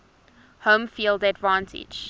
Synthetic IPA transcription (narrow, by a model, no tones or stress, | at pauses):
hõmfiːlˠdadvãntʰɪ̰̥d͡ʒ